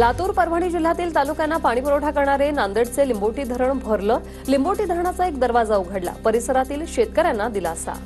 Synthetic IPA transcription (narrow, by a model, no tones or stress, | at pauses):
lat̪uːɾpəɾʋ̤ʱaɽ̃iːd͡ʑil̤ːat̪iːlt̪alukjanːapaɽ̃ipəɾoʈʰakəɾɳaɾenand̪əɽt͡selimboʈiːd̪ʱəɾəɳbʱəɾləː | limboʈiːd̪ʱəɾəɳ̃at͡saekd̪əɾʋad͡zauɡʱaɽla̰pəɾisəɾat̪iːlɕet̪kəɾjanːad̪ilasa̰